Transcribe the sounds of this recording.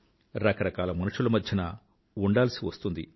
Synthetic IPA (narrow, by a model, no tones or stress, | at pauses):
ɾɐkɐɾɐkaːlɐmɐnuʂulɐmɐd̪ʱjɐnaː | uɳɖaːlɐsiʋɐst̪und̪ḭ